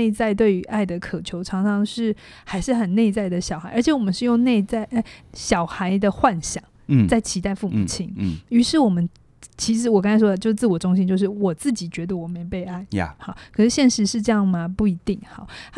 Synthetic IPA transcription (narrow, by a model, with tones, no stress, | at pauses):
e˥˧ɪt͡sa˥˧ɪt̪we˥˩ɪy˧˥ʔa˥˩ɪd̪ə˩kʰɤ˨˩t͡ɕʰjo˧˥ʊʈ͡ʂʰɑ˧˥ŋʈ͡ʂʰɑ˧˥ŋʂɻ̩˥˩ | xa˧˥ɪʂɻ̩˥˩xə˨˩nne˥˧ɪt͡sa˥˩ɪd̪ə˩ɕjɑ˨˩ʊxa˧˥ɪə˞˧˥t͡ɕʰjɛ˧˥wɔ˨˩mə˦nʂɻ̩˥˧jo˥˧ŋne˥˧ɪt͡sa˥˩ɪə˥˩ɕjɑ˨˩ʊxa˧˥ɪd̪ə˧xwa˥˩nɕjɑ˨˩˦ŋt͡sa˥˩ɪt͡ɕʰi˧˥t̪a˥˧ɪfu˥˩mmu˨˩t͡ɕʰi˥ŋny˧˥ʂɻ̩˥˩wɔ˨˩mə˦n | t͡ɕʰi˧˥ʂ̬ɻ̩˧˥wɔ˨kɑ˥ŋt͡sʰa˥ɪwɔ˥d̪ə˨t͡ɕjo˥˧ʊʂ̩˥˧t͡sɹ̩˥˩wɔ˨˩ʈ͡ʂʊ˥ŋɕi˦nt͡ɕjo˥˧ʊʂɻ̩˥˩wɔ˨˩t͡sɹ̩˥˩t͡ɕi˨˩t͡ɕɥɛ˧˥d̪ə˧wɔ˨˩me˧˥ɪpe˥˧ɪa˥˩ɪxɑ˥˩˦kʰɤ˨˩ʂɻ̩˥˧ɕjɛ˥˩nʂɻ̩˧˥ʂɻ̩˥˧ʈ͡ʂɤ˥˧jɑ˥˩ŋmɐ˩pu˥˩i˧˥t̪i˥˩ŋxɑ˨˦